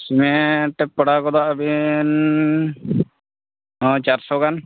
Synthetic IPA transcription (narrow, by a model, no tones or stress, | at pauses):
simeʈːɛpːɔɽakɔd̪aʔbin | ɦɔ̃t͡ʃaɾsɔkan